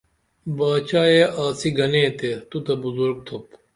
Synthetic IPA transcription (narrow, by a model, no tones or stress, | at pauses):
baːt͡ʃaːeːaːsiɡɐneːt̪et̪ut̪ɐbʊzuɾɡ̚t̪ʰop